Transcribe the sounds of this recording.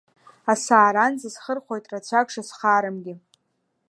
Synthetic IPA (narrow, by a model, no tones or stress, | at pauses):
asaːɾanzasχərχʷo̞jtʼrat͡ɕʷʰaɡʂasχaːɾɨmɡʲɪ